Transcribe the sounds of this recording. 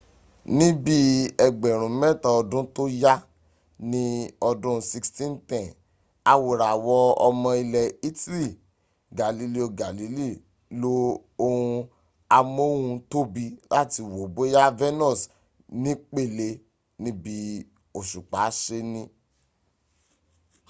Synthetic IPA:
nĩ˦bi˦ɛ˧ɡ͡bɛ˨ɾ̃ũ˨mɛ˦ta˦ɔ˧dũ˦to˦ja˦ | nĩ˦ɔ˧dũ˦˧si˧kstĩ˦n˦tɛ̃˨ | a˧wo˨ɾa˨wɔ˧˦ɔ˧mɔ̃˧i˧lɛ˨i˦ti˦li˦˨ | ɡa˨li˨˧li˦o˧ɡa˨li˨˦li˦˨ | lo˦ | o˧hũ˧ | a˧mo˦wũ˧to˦bi˧la˦˨ti˧wo˨bo˨˦ja˦vɛ˦nɔ˦˨s | nĩ˦k͡pe˦˨le˧ | nĩ˦bi˦ | o˦˨ʃu˨k͡pa˨˦ʃe˧nĩ˦

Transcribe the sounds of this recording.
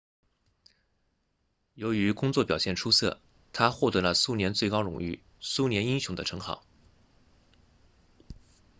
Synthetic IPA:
jo˧˥y˧˥kʊ˥ŋt͡swɔ˥˩pjɑ˨˩ʊɕjɛ˥˩nʈ͡ʂʰu˥sɤ̰˥˩ | t̪ʰa˥xwɔ˥˩t̪ɤ˧˥lə˧su˥njɛ˧˥nt͡swe˥˩ɪkɑ˥ʊɻʊ̰˨˩ŋy̰˥˩ | su˥njɛ˧˥ni˥nɕjʊ˧˥ŋd̪ə̰˧ʈ͡ʂʰɤ˧˥ŋxɑ̰˨˩˦ʊ

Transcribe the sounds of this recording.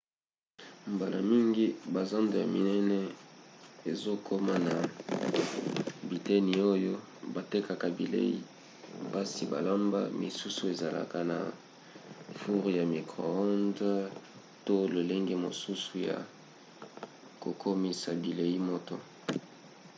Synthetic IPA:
mba˨la˨mi˦ŋɡi˦ba˨za˦ndo˨ja̰˨mi˨nɛ˦nɛ˦ | e˨zo˦kʰo˦ma˦na˨ | bi˨tɛ˦ni˨o˦jo˦ | ba˨te˦ka˨ka˨bi˨lḛ˦ḭ˦ | ba˦si˨ba̰˨la˦mba̰˦mḭ˨su˦su˦e˨za˨la̰˨ka˦na̰˨ | fu˦ʁja˨mi˨kʁo̰˨ɔ˦nd | to˦lo˨le˦ŋɡe˦mo˨su˦su˨ja̰˨ | ko˨kʰo˦mi˨sa˨bi˨le˨i˦mo˦to˦

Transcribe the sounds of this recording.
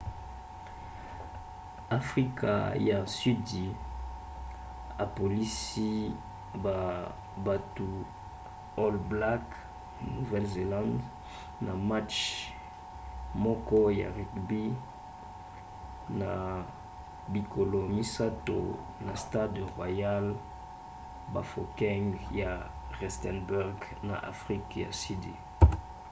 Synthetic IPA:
a˨fʁi˦ka̰˨ja˨sy˦di˨ | a˨po˨li˦si˦ | ba˨ | ba˨tu˨ | o˦lbla˦k | nu˨vɛ˦lze˨lã˦nd | na˨ma˦t͡ʃ | mɔ˦kɔ˦ja̰˨ʁi˨kbi˦ | na˨ | bi˨ko˨lo˨mi˦sa˦to̰˨ | na˨sta˦dʁwa˨ja˦l | ba̰˨fo˨kɛ˦ŋja˨ʁɛ˨stɛ˨nbu˦ʁɡna̰˨ʔa̰˨fʁi˦kja̰˨si˦dḭ˨

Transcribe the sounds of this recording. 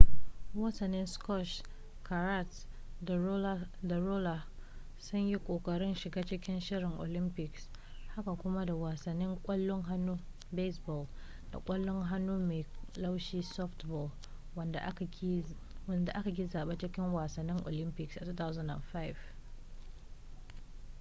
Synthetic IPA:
wɐ˦sɐ˨nːɪ˦nskɔ˦ʃ | ka˨ɾa˦t | da˨ɾoː˦la˨ | sʊ˦ɲji˦kʷʼoː˨kʼɐ˨ɽɪ˦nʃɪ˨ɡaː˦t͡ʃɪ˦kʲɪ˦nʃɪ˦ɾɪ˨ŋʔo̰˨lɪ˦mpɪ˨ks | ha˦ka˨kʷʊ˦ma˦da˨wa˨sɐ˨nːɪ˦ŋkʷʼɐ˦lːʊ˦ŋɦa˦nːuː˦ | be˦sbɔ˨l | d̥a̰˨kʷʼɐ˦lːʊ˦ŋɦa˦nːuː˦me˨jla˦wʃiː˦sɔ˦ftbɔ˨l | nda˨ʔ | wɐ˦˨nda˨ʔa˦ka˨ɡʲi˦zaː˨ɓa˦t͡ʃɪ˦kʲɪ˦ŋwaː˨sɐ˨nːɪ˦ŋʔo̰˨lɪ˦mpɪ˨ksʔa˨tu˦ta˦wzɐ˦nda̰˨nɸa˦jv

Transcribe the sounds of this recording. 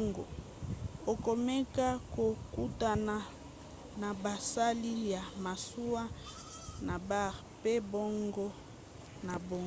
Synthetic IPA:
ŋɡɔ̰˨ | o˨ko˨mɛ˦ka˦ko˨ku˦ta˨na˨ | na˨ba˨sa˦li˦ja˨ma˨su˦a˦ | na˨ba˦˨ʁ | pe˦bo˦ŋɡɔ˦ | na˨bo˦ŋ

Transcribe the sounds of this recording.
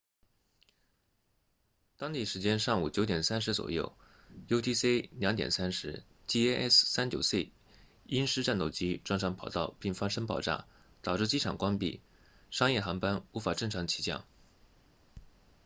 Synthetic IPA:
t̪ɑ˥ŋt̪i˥˩ʂɻ̩˧˥t͡ɕjɛ˥nʂɑ˥˩ŋu˨˩t͡ɕjo˧˥ʊt̪jɛ˨˩nsa˥nʂɻ̩˧˥t͡swɔ̰˨˩jo̰˥˩ʊ | jo˥ʊt̪ʰi˥se˥ljɑ˧˥ŋt̪jɛ̰˨˩nsa˥nʂɻ̩˧˥ | t͡ɕi˥˧ɛ˥ʔɛ̰˥ssa˥nt͡ɕjo˨˩ʊse˥˩ɪ | i˥nʂɻ̩˥ʈ͡ʂa˥˧nt̪o˥˩ʊt͡ɕi˥ʈ͡ʂwɑ˥ŋʂʰɑ˧˥ŋpʰɑ˨˩ʊt̪ɑ˥˧ʊpi˥˩ŋfɑ˥ŋʂə˥ŋpɑ̰˨˩ʊʈ͡ʂa̰˥˩ | t̪ɑ˨˩ʊʈ͡ʂɻ̩˥˧t͡ɕi˥ʈ͡ʂʰɑ˨˩ŋkwa˥npḭ˥˩ | ʂɑ˥ŋjɛ˥˩xɑ˧˥ŋpa˥nu˧˥fa˨˩ʈ͡ʂɤ˥˩ŋʈ͡ʂʰɑ˧˥ŋt͡ɕʰi̥˧˥t͡ɕjɑ̰˥˩ŋ

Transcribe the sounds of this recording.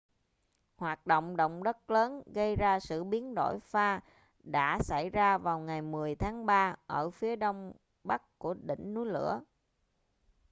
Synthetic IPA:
hwaː˨˩t̚ɗo̰˧˨wŋ͡mɗo̰˧˨wŋ͡mɗə˦˥t̚ləː˨˦nɣə˧jzaː˧sɨ̰˧˨ɓi˨˦ənɗo̰˧˩jfaː˧ | ɗa̰ː˧˥sa˧˩jzaː˧vaː˨˩wŋa˨˩jmɨ˨˩əjt̪ʰaː˨˦ŋɓaː˧ʔəː˧˩fi˨˦əɗo˧wŋ͡m | ɓa˦˥k̚ku˧˩əɗḭ̈˧˩ŋ̟nu˨˦jlɨ̰˧˥ə

